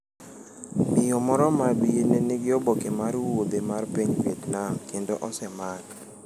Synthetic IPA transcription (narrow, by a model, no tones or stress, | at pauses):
mɪjɔmɔɾɔmabienenɪɡɪɔbokemaɾwod̪emarpeɲbetnakendoʔɔsɛman